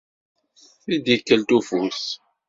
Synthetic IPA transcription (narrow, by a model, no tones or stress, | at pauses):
θid̪jəkːəlt̪ufus